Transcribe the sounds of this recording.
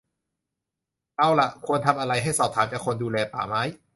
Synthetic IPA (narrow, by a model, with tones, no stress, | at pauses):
t̪a˥˩wla˨˩kʰu˧ənt̪ʰa˧mʔa˧ɾa˧jɦa˥˩jsɔː˨˩p̚t̪ʰaː˩˦mt͡ɕaː˨˩kʰo˧nduː˧lɛː˧pa̰ː˩˦ma˦˥j